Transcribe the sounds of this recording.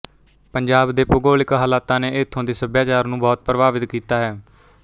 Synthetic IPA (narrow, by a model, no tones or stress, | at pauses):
pəɲd͡ʒaːbd̪eːpʊɡoːlɪkɦaːlaːt̪ãːneːɪːt̪ʰːõːd̪eːsəbjaːt͡ʃaːɾnũːbɔːt̪̚pɾəʋaːʋɪt̪kiːt̪aːɦɛː